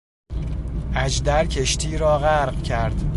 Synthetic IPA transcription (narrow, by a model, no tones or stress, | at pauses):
ʔæd͡ʒd̪æɾcʰeʃt̪ʰiːɾɒːɣæɾɢcʰæɾd̪̥